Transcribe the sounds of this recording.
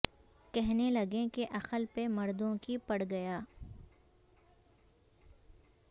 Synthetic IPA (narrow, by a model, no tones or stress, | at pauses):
kɛɦnelɐɡẽkeʔɐqəlpemɐɾd̪õkipɐɽɡɐjaː